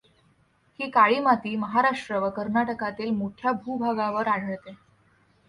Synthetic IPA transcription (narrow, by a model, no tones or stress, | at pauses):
hiːkaɭiːmat̪iːməɦaɾaʂʈɾəʋəkəɾnaʈəkat̪iːlmoʈʰjabʱuːbʱaɡaʋəɾaɽ̤ʱəɭt̪e